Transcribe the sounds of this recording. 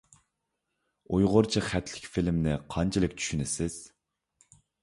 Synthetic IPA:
ujʁʊɾt͡ʃʰiχæt̪ʰlɪ̥kʲfilmnɪqʰɑnt͡ʃʰilɪkʲt͡ʃʰy̥ʃynɪsɪz̥

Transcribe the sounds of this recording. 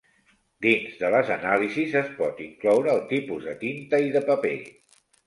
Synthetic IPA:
d̪inzðələzənalizizəspɔt̪iŋklɔwɾəːlˠt̪ipuzðət̪int̪əiðəpəpḛ

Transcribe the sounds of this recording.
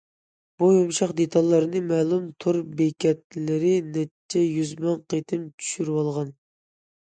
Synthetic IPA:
b̥ujumʃɑqd̪et̪ʰɑlˠːɨɾɨnɨmɛlˠumt̪ʰuɾbekʲɛt̪̚lɪɾɪnɛt͡ʃʰːɛjyzmɑnqet̪ʰɪmt͡ʃʰy̥ʃyɾwɑlˠʁɑn

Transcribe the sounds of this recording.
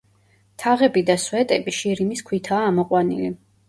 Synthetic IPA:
t̪ʰaʁɛbid̪aswɛt̪ʼɛbiʃiɾimiskʰwit̪ʰaːmɔqʼwanḭli

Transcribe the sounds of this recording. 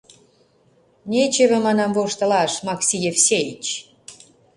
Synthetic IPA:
nʲet͡ɕeβĕmɑnɑmvoʃt̪ɤ̆lɑʃmɑksʲijefsʲejit͡ɕ

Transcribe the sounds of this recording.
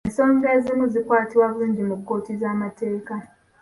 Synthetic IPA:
enso̞ːɲɟezimuzikwaːtiβwaβuluːɲɟimukːo̞ːtizaːmate̞ːka

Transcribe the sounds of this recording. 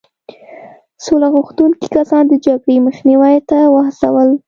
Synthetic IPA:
solaɣuxt̪uŋki̥kasɑnd̪əd͡ʒaɡɽeməxniwajt̪awahsa̰wəl

